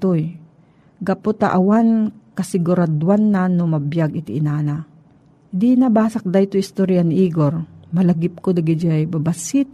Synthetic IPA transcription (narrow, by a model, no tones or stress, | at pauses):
oj | ɡɐpot̪a̰ʔɐwankɐsɪɡʊɾad̪wanːanʊmɐbjaɡɪt̪ɪ̰ʔɪnaːna | d̪inɐbaːsɐk̚d̪ajt̪ojɪst̪oɾjanʔiːɡoɾmɐlɐɡɪp̚kod̪ɐɡɪd͡ʒajbɐbasit̪